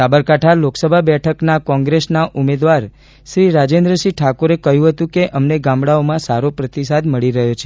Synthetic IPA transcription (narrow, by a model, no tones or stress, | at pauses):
sabəɾkaʈʰaloksəbʱabɛʈʰəknakɔ̃ŋɡɾesnaʔumed̪ʋaɾ | ʃɾiɾad͡ʒend̪ɾəʃiʈʰakoɾekəɦjũɦət̪ũkeʔəmneɡãmbɽaomãsaɾopɾət̪isad̪məɭiɾəɦjot͡ʃʰe